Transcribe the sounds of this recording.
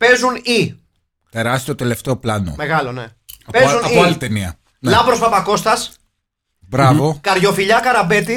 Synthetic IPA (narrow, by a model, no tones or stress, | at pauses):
pe̞zuni | t̪e̞ɾɐst̪iot̪e̞le̞ft̪eo̞plɐno̞̰me̞ɣɐlo̞ne̞ | ɐpeunioalit̪eniɐ | nlɐvɾo̞spɐpɐko̞st̪ɐs | bɾɐvokɐɾʝo̞fiʎɐkɐɾɐbe̞t̪i